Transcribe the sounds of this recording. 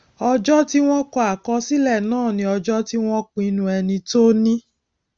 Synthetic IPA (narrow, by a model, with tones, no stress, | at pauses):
ɔ˧d͡ʒɔ˦ti˦w̃ɔ̃˦kɔ˧˦a˨kɔ˧si˦lɛ˦˨nãː˦˨nĩ˧˦ɔ˧d͡ʒɔ˦ti˦w̃ɔ̃˦kũ˧˦i˧nũ˧ɛ˧nĩ˧to˦nĩ˦